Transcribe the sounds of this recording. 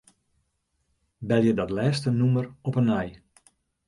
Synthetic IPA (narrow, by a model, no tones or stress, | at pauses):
bɛlˠjədɔtlɛːstənumərɔpənɛj